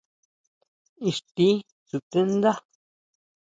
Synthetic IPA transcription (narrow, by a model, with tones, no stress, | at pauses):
i˧˨ʂt̪i˦ | su˨t̪ẽ˦nd̪a˦